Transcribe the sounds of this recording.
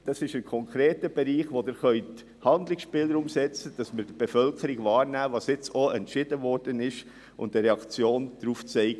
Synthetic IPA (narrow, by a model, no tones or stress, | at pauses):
d̥ɑsɪʃənkʰɔŋkʰɾeːtəb̥ɛɾiːχʋodɪɾχœʏt | hɑnd̪lɪksʃpɪləɾʊmsɛt͡səd̥ɑsmɪɾd̥əb̥efœlkʰəɾɪɡʋɑːɾnæːvɑsjɪt͡soɛntʃɪd̥əvɔːɾd̥ənɪʃ | ʊ̰ntəɾeɑkt͡sjoːnd̥ɾuːft͡sɛɪk